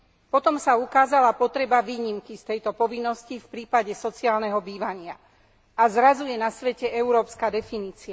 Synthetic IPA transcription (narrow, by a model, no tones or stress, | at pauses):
pɔt̪ɔmsaukaːzalapɔt̪ɾɛbaʋiːɲimkist̪ɛjt̪ɔpɔʋinːɔscifpɾiːpaɟɛsɔt͡siaːlnɛɦɔbiːʋaɲɪa | ʔazɾazujɛnasʋɛcɛʔɛuɾɔːpskaːd̪ɛfiniːt͡sia